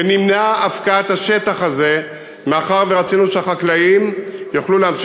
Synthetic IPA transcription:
venimneaʔafkaat̪haʃe̞t̪aχaze̞ | meaχaʁveʁat͡sinuʃeaχaklaimjoχluleamʃ

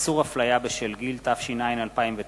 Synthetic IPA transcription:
suʁhaflajabeʃelɡilt̪afʃinainalpaimve

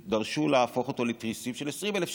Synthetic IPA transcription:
d̪ɐʁʃulaaːfo̞χot̪o̞letʁisimʃelesʁimelef

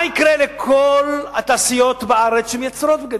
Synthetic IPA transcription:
ikʁelekʰolhat̪aːsijo̞t̪baaʁet͡sʃhemjet͡sɾot̪̚beɡad̪

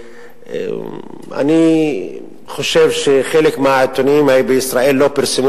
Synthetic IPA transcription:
ḛ | a̰ni | χo̞ʃe̞vʃeχelekmeat̪oniimhajibeisʁae̞lːo̞piɾsemu

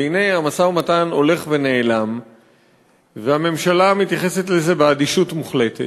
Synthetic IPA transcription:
einejamasaumatano̞le̞χve̞ne̞ːlam | veame̞mʃalamit̪jaχe̞se̞t̪le̞ze̞bead̪iʃutmuχle̞te

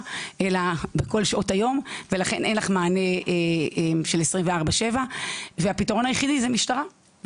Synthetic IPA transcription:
ʔelabeko̞lʃaʔo̞tajo̞mve̞laχe̞nʔenlaχmaːne̞eemʃelesʁimveaʁbaʃe̞vaveapitao̞najeχidizemiʃtaʁa

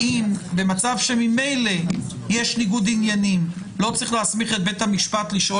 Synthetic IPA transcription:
imbe̞mat͡savʃe̞mime̞jle̞ | jeʃniɡud̪injanim | lo̞t͡sʁiχleasmiχet̪̚bet̪hamiʃpat̪liʃo

